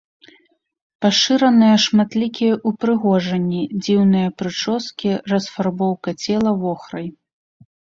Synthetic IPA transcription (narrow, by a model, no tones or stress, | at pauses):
paʂɨɾɐnɨjɐʂmat̪lʲikʲijɐʔupɾɨɣɔʐɐnʲːid͡zʲiwnɨjɐpɾɨt͡ʂɔskʲirɐsfarbɔwkɐt͡sʲɛlˠɐvɔxɾɐj